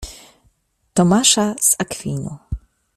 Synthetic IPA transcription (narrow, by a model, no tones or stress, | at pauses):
t̪ɔmaʂasakfʲinʲu